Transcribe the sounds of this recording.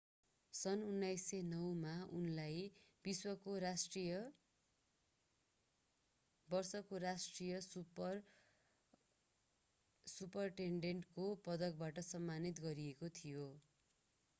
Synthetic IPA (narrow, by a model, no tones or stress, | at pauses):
sʌnunːajsːenʌwmaunlajbiswʌkoɾasʈrijʌ | bʌrsʌkoɾasʈrijʌsur | supʌrʈeɳɖeɳʈkopʌd̪ʌk̚baʈʌsʌmːanit̪ɡʌɾiekot̪ʰijo